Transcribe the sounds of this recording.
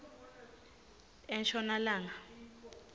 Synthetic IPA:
ɛnʃɔnalaːŋa

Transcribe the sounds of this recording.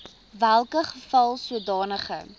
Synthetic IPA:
vælˠkəχəfɐlˠsuədɑːnəχə̰

